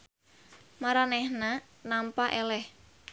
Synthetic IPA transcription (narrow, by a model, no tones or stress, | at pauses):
maɾanɛhna | nampaʔɛlɛh